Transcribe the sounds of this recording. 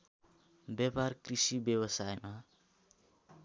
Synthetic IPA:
bjʌparkrisibjʌbʌsajma

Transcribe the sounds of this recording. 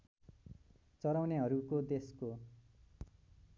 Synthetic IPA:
t͡sʌɾawneɦʌɾukod̪esko

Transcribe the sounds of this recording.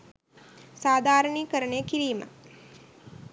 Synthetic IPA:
saːd̪ʱaːɾəɳiːkəɾəɳekiɾiːmə̰

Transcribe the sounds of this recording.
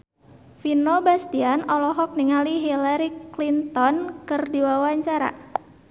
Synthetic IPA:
finobast̪ianɔlɔɦɔk̚niŋaliɦilaɾiklint̪ɔnkɨrdiwawaɲt͡ʃaɾa̰

